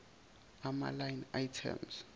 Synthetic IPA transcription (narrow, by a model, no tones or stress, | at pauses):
ama̰lajnajtʰɛ̰ms